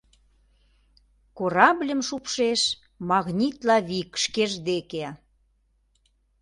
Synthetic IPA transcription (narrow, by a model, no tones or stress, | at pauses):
koɾɑblʲə̆mʃupʃeʃ | mɑɣnʲit̪lɑβikə̥ʃkeʒd̪eke